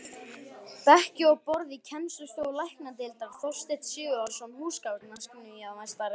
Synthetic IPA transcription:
pɛhcʏɔɣpɔɾðicʰɛnst̪ʏst̪jowlajhknat̪ɪlt̪awθɔr̥st̪ɪht̪sjʏːɣʏaɾsɔmhuːskaw̪nanskɪnɪiawmajst̪aɾɪ

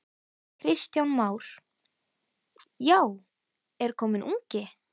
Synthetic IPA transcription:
kʰɾɪst̪jawnmaːwɾ̥ | jaw | ɛɾ̥kʰɔːmɪnʔuɲcɪ

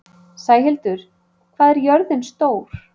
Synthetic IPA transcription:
saːjɦɪlt̪ʏɾ̥ | kʰvaːðɛɾjœɾðɪnst̪oːwɾ̥

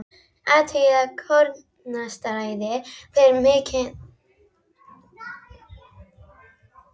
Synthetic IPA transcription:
at̪ʰeðakʰɔɾ | nast̪aɾajðɪpʰɪɾmeːcʰɪn

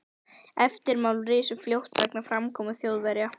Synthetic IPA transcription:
ɛft̪ɪɾmawlrɪːsʏfljowht̪vɛknafɾamkʰɔːmʏθjowðvɛɾja

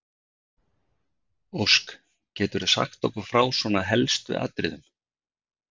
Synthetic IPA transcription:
owsk | cɛːt̪ʏɾasa̰xt̪ɔhkʏɾfɾaːwsvɔːnaɦɛlst̪ʏ̰a̰t̪ɾɪ̰ðʏm

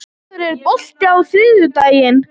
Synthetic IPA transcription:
ɾɛɾpɔl̥t̪ɪawθɪːðʏt̪aːjɪn

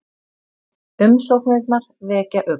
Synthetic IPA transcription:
ʏmsɔwknɛkt̪naɾ̥ | vɛːcaʔʏ

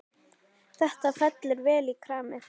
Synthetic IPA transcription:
θɛht̪afɛt̪lɪɾvɛːlikʰɾaːmɪ

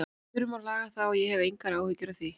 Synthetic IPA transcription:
ʏɾʏmalaːɣaθawɔjɛhɛvejŋkaɾaːwhʏcːʏɾawθi

